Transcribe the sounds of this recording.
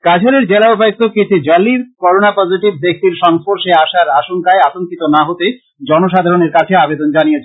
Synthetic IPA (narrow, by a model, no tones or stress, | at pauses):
kad͡ʑʰʱoɾeɾd͡ʑelaobʱajk̚t̪okit͡ɕʰid͡ʑɔliɾkɔɾonapɔd͡ʑiʈib̚ːek̚t̪iɾʃɔŋspoɾʃeaʃaɾaʃoŋkaeat̪oŋkit̪onaɦot̪e | d͡ʑɔnoʃ̬ad̪ʱaɾoneɾkat͡ɕʰeabed̪ond͡ʑanijet͡ɕʰe